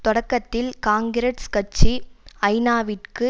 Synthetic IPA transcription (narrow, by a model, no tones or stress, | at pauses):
t̪ɔɽɐkːɐt̪ːɪlkaːŋɡɪɾɐʈskɐʈ̚t͡ʃːiɐɪnaːʋɪʈkɯ